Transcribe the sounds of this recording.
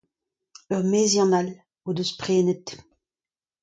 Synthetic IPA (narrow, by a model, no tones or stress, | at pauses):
œʁmeːzjɑ̃nal | od̪øspʁeːnət̪